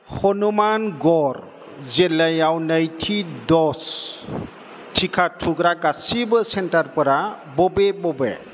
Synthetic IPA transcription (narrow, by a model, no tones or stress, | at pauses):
hɔnumanɡɔɾ | zelajawnajtʰidɔs | tʰikʰatʰuɡɾakasibɯsentaɾpɯɾa | bɔbebɔbe